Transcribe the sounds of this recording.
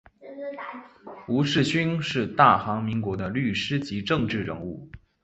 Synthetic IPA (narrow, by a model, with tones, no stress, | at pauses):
u˧˥ʂɻ̩˥˩ɕy˥nʂɻ̩˥˧t̪a˥˩xɑ˧˥ŋmi˧˥ŋkwɔ˧˥d̪ə˧ly˥˩ʂɻ̩˥t͡ɕi˧˥ʈ͡ʂɤ˥˧ŋʈ͡ʂɻ̩˥˩ɻə̰˧˥ŋu˥˩